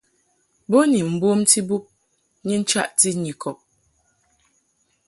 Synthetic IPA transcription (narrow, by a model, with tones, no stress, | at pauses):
bo˦ni˨m̩˨bo˦mti˦bu˦p̚ | ɲi˦n̩˦t͡ʃa̰˦ʔti˦ɲi˨kʰɔ˨p̚